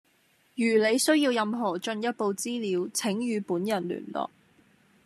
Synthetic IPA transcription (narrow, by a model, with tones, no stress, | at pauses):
jyː˨˩le˨˧jsɵ˥ɥjiː˧wjɐ˨mɦɔː˨˩t͡ʃɵ˧njɐ˥t̚po˨˧wt͡siː˥liː˨˧wt͡sʰɪ˨˥ŋjyː˨˧puː˨˥njɐ˨˩nly̰ː˨˩nlɔ̰ː˨˩k̚